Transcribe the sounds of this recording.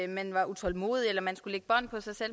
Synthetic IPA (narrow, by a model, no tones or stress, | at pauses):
mænʋɑ̈ʔut͡sʰɒ̽lmo̝ːðˠielɐmænsɡ̥uleɡ̥b̥ɒn̰pʰɒ̽sɑ̈ɪsel̰